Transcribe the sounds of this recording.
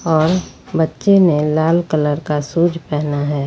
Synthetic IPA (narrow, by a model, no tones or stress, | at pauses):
ɔːɾ | bətːʃenelaːlkələɾkasuːd͡ʒʱpɛɦnaɦɛː